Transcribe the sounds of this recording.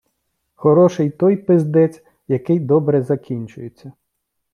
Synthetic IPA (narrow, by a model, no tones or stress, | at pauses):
xɔɾɔʃɪjt̪ɔjpɪzd̪ɛt͡sʲ | jɐkɪjd̪ɔbɾɛzɐkʲinʲt͡ʃʊjet͡sʲːɐ